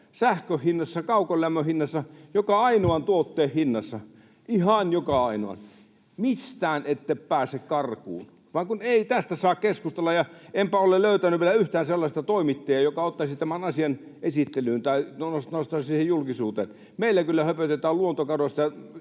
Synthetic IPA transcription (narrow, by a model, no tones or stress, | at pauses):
sæhkøhhinːɑsːɑkɑukolʲlæmːøhinːɑsːɑjokɑɑinoɑnt̪uot̪ːeːhhinːɑsːɑ | ihɑnjokɑɑino̰ɑ̰n | mist̪æːnet̪ːeppæːsekkɑrkṵːn | ʋɑŋkuneit̪æst̪æsɑːkkeskust̪elːɑjɑempæoleløyt̪ænyʋielæyht̪æːnselːɑsʲt̪ɑt̪oimit̪ːejɑjokɑot̪ːɑsit̪æmænɑsiɑnʔesit̪ːelyːnt̪ɑinosost̪ɑːsiːhejjulkisuːt̪ḛːn | meilːækylːæhøpøt̪et̪æːlluont̪okɑroˑst̪ɑjɑ